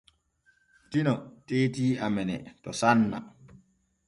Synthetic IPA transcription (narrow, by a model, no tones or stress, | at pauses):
tinɔteːtiːamɛnɛ̰tɔsanːa̰